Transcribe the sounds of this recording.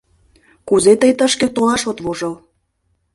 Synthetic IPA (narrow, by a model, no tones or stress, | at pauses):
kuzet̪əjt̪əʃket̪olɑʃot̪βoʒɤl